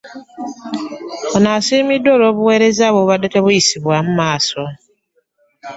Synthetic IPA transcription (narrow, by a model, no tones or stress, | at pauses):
onaːsiːmidwoːloːβuwe̞ːɾezaβoβadːeteβujisiβwamumaːso